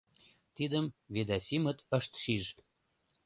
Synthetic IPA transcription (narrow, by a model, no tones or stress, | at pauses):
t̪id̪əmved̪ɑsʲimət̪əʃt̪ʃiʒ